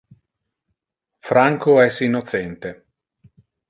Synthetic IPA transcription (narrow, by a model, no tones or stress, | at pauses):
fɾaŋkoɛsːinːot̪t͡ʃɛnt̪e